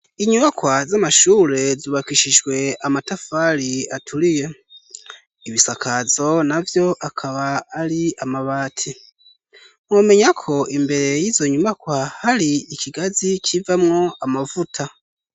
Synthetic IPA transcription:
iɲuβakwazamaʃuːle̞ziβakiʃiʒwe̞amatafaliatʰulije̞ | iβisakʰazo̞navjo̞ʔakʰaβaːliamaβaːtʰi | ŋwome̞ɲakʰo̞imbe̞ɾe̞jizo̞ɲuβakwahaliːciɡazicivamŋo̞amavutʰa

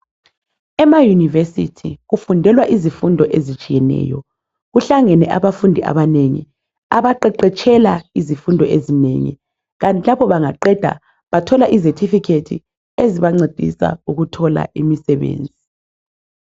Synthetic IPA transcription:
ɛmajunivesitʰiɣufundʱɛlwaʔizifundʱɔʔezit͡ʃʼijɛnɛ̰ːjɔ | ɣuɬaŋɛnɛʔaβafundʱiʔa̰βaneŋḭ | aβaǃɛǃɛt͡ʃʰɛlaizifundʱɔʔezinḛŋḭ | ɣantʼʰilapɔβaŋaǃɛd̥ʱa̰ | βatʰɔlaʔizetʰifikʰetʰḭ | eziβaŋ͡ǀed̥ʱḭsa̰uɣutʰɔla̰ʔimisɛβḛːnd͡zʱi

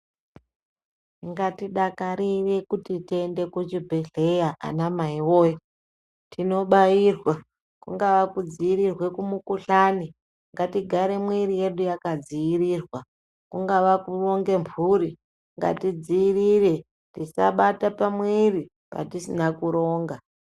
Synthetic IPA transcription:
ŋɡatiɗakaɾirekutitiende̞kut͡ʃibʱe̞ɮe̞jaʔa̰namaiwoːjo | tino̞ɓajiːrwa | kuŋɡaʋakud͡ziirirwe̞kumukuɬaːni | ŋɡatiɡʱaɾe̞mwirije̞ɗujakad͡zijiriːrwa | kuŋɡaʋakuro̞ŋɡe̞mpuɾi | ŋɡa̰tid͡ziirire̞ | tisa̰ɓatapamwiri | pa̰tisinakuɾo̞ːŋɡa

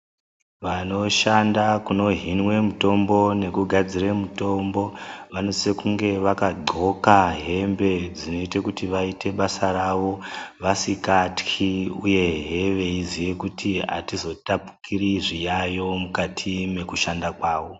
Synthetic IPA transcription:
ʋano̞ʃandakuno̞ɦinwe̞muto̞mbo̞ne̞kuɡʱad͡ziremuto̞mbo̞ʋano̞sekuŋɡe̞ʋakaɡ͡ǃʱo̞kaɦe̞mbe̞d͡zino̞itekutiʋaite̞ɓasaɾaʋo̞ʋasikatkʰiuje̞ɦe̞ʋe̞izijekutʰiɦa̰tizo̞tapu̥kʰiriʐijajo̞mukatʰime̞kuʃandakwaːʋo̞

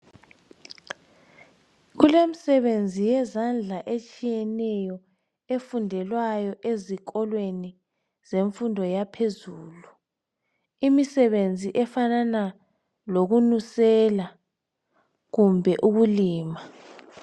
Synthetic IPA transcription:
ɣulemisɛβend͡zʱijɛzand͡ɮʱaʔet͡ʃʼijɛnɛjɔ | efundʱɛlwajɔʔezikɔlweni | z̥eɱfundʱɔjapʰezuːlu | imisɛβend͡zʱiʔɛfanana | loɣunusɛla | ɣumbʱɛʔuɣuliːma

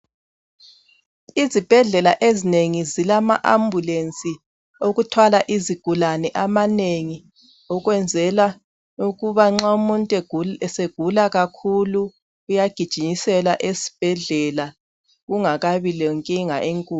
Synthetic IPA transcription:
izib̥ʱɛɮɛlaʔezineŋizilamaʔambʱulent͡sʼi | oɣutʰwalaʔiziɡ̥ʱulanɛʔamaneŋi | ɔɣwɛnd͡zʱɛla | uɣuβaŋ͡ǁaumuntʼɛɛseɡ̥ʱulaɣakʰuluː | jaɡ̥ʱid̥ʒ̥ʱiɲisɛlaʔesi̥b̥ʱɛɮɛla | ɣuŋaɣaβilɔŋkʼiŋa̰ʔeŋkʼuː

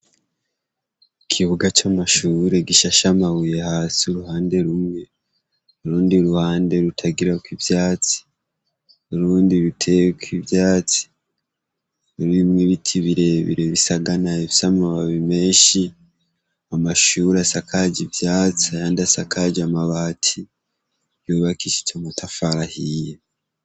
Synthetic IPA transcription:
kʰiβuɡat͡ʃamaʃuːɾe̞ɡiʃaʃamawuje̞haːsiuɾuhaːnde̞ɾumŋe̞ | oɾuːndiɾuhaːnde̞ɾutʰaɡiɾakwivjaːt͡si̥ | oɾuːndiɾutʰekivjaːt͡si̥ | ɾimŋiβitʰiβiɾe̞βḭɾeβisaɡanaeβisamaβaβime̞ːʃi | amaʃuːɾasakʰaɟivjaːt͡sijaːndiasakʰaɟamaβaːtʰi | joːβakiʃi̥tomutafaɾahije

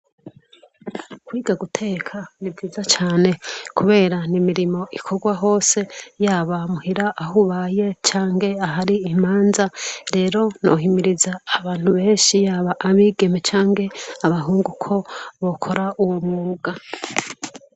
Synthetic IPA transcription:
kwiːɡaɡutʰe̞ːkʰanib̚ɡiːzat͡ʃaːne̞kuβe̞ːɾanimiɾimo̞ʔikʰoɡwaɦo̞ːse̞jaːβamuhiɾaʔːɦuβaje̞t͡ʃaːŋɡe̞aɦaɾiːmaːnzaɾe̞ːɾo̞no̞̰ɦimiɾizaːβaːn̥huβe̞ːnʃijaːβaʔːβiːɡe̞me̞t͡ʃaːŋɡe̞aβaɦuːŋɡukʰo̞βo̞kʰo̞ɾauwomuuɡa

